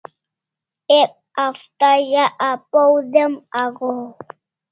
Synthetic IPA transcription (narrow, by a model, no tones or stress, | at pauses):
ɛp̚ | aftajaʔapowdɛmaɣɔ